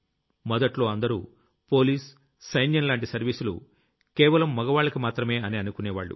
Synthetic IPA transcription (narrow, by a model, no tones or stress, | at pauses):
mɔd̪ɐʈlo̞ːɐnd̪ɐɾṵː | po̞ːliːsː | ɐjnjɐnlaːɳʈisɐɾʋiːsulṵ | kɛːʋɐlɐmːɔɡɐʋaːɭːɐkimaːt̪ɾɐme̞ːɐniɐnukunɛːʋa̰ːɭːṵ